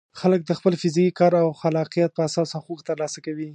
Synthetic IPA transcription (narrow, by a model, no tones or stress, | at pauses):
xalək̚d̪əxpəlfɪzikikɑɾawxalɑqijat̪̚pəasɑsaxokt̪əɾlɑsakawi